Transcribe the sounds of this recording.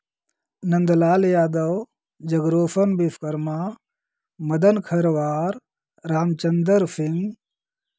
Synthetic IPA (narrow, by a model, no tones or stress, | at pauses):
nɐnd̪laːljaːd̪ɐw | d͡ʒɐɡɾoːfɐnbifʰkɐɾma | mɐd̪ɐnkʰɐɾʋaːɾ | ɾaːmt͡ʃɐnd̪əɾfʰiŋ